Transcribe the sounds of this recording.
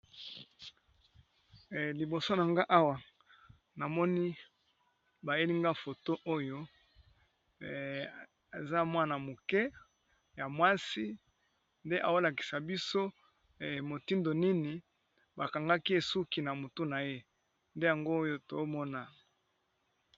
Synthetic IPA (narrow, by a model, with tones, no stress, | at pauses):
li˨bo˨so˦na˨ŋɡa˦ʔa˦wa˨ | na˨mɔ˦ni˦ | ba˨je˦li˦ŋɡa˦fo˨to˦ʔo˦jo˦ | a˨za˦mwa˦na˨mo˨kɛ˦ | ja˨mwa˦si˦ | nde˦ʔa˨o˦la˨ki̥˨sa˨bi˦so˦˨ | mo˨ti˦ndo˨ni˦ni˨ | ba˨ka˨ŋɡa˦ki˦e˨su˦ki˨na˨mo˨tu˦na˨je˦ | nde˦ja˨ŋɡo˦jo˦to˨˦mɔ˦na˨